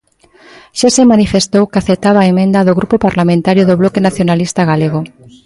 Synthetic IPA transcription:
ʃasemanifest̪owkaθet̪aβaemẽnd̪aðoɣɾupopaɾlamẽnt̪aɾjoðoβlokenaθjonalist̪aɣaleɣ̞o

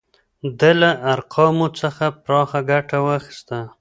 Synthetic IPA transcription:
d̪əlaʔaɾqʰɑmot͡səxapɾɑxaɡaʈawaxi̥st̪a

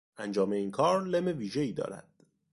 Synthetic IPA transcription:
ænd͡ʒɒːme̞iːnkʰɒːɾleme̞viːʒe̞iːd̪ɒ̰ːɾæ̰d̪̥

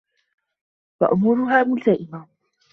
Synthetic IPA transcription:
wa̰ʔʊmuːɾʊɦaːmʊlt̪aʔɪma

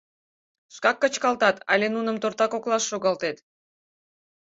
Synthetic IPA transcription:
ʃkɑkːət͡ɕkɑlt̪ɑt̪ɑ̰lʲenunəmt̪ort̪ɑkoklɑʃːoɣɑlt̪et̪

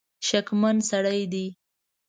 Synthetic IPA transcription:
ʃakmansaɽajd̪i

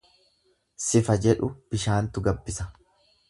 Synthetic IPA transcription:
sɪfɐd͡ʒɛᶑʊb̥ɪʃaːnt̪ʊɡɐbːɪsɐ

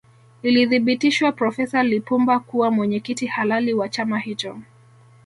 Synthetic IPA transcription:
iliðiɓitiʃwapɾɔfɛsalipumbakuwamwɛɲɛkitihalaliwat͡ʃamahit͡ʃɔ

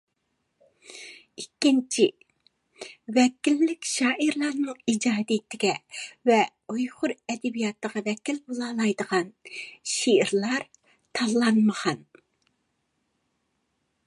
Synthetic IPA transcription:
ikʲːint͡ʃʰi | vɛkʲilːɪkʲʃɑːʔiɾlˠɑɾnɨŋid͡ʒɑːd̪ijt̪ʰɪɡʲɛvɛ | ojʁʊɾɛd̪ɛbijɑt̪ʰːəʁɑvɛkʲilbolˠɑːlˠɑjd̪əʁɑnʃiɪɾlˠɑɾ | t̪ʰɑlˠːɑnməʁɑn

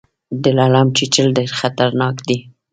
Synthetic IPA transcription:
d̪ɪlɑlamt͡ʃit͡ʃəlɖeɾxat̪aɾnɑkd̪i

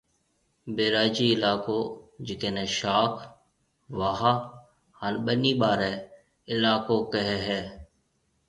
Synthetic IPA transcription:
beːɾaːd͡ʒiːɪlaːkoːd͡ʒɪkeːneːʃaːkʰ | ʋaːɦa | halɓəniːɓaːɾɛː | ɪlaːkoːkəɦɛɦɛː

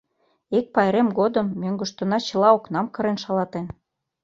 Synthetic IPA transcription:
ek̚pɑjɾemɡod̪əmːøŋɡə̆ʃt̪ŏnɑt͡ɕə̆lɑoknɑmkɤ̆ɾenʃɑlɑt̪en

